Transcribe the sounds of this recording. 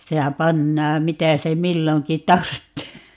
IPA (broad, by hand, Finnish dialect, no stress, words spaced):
sehæ pɑnːɑːm mitæ se milːoŋki tɑrtːeː